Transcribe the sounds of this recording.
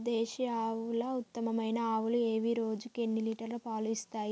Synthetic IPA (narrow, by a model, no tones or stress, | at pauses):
d̪eːʃiaːʋulɐːut̪ːɐmɐmɐjnɐaːʋulue̞ːʋiɾo̞ːd͡ʒuke̞nːiliːʈɐɾlupaːluist̪aːji